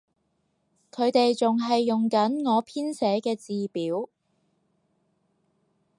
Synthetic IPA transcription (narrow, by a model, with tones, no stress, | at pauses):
kʰɵ˨˧ɥt̪e˨jt͡sʊ˨ŋɦɐ˨jːʊ˨ŋkɐ˨˥nŋɔː˨˧pʰiː˥nsɛː˨˥kɛː˧t͡siː˨piː˨˥w